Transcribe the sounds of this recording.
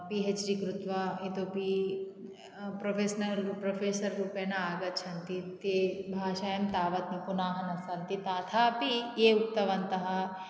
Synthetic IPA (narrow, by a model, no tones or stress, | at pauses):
piɦet͡ʃɾikɾut̪ʋɐit̪opi | pɾopʰeːsnɐlpɾopʰeːsɐɾɾuːpeːnaaːɡɐt̪̚t͡ʃʰɐnt̪it̪ebʱaːʃaːjɐmt̪aːʋɐt̪nipunaːɦɐnɐsɐnt̪it̪aːt̪ʰaːpijeːukt̪ɐʋɐnt̪ɐɦɐ